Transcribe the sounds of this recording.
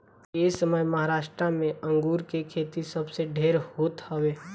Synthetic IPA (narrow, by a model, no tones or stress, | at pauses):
eːsəməjmɐɦaːɾaːʃʈ̪ɾamẽə̃ŋɡuːɾkekʰeːt̪isɐbseɖʱeːɾhoːt̪hɐʋeː